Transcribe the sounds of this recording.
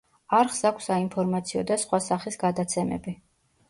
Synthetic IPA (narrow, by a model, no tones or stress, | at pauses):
aɾχsakʷʰsaimpʰɔɾmat̪sʰiɔd̪asχwasaχisɡad̪at̪sʰɛmɛ̰bi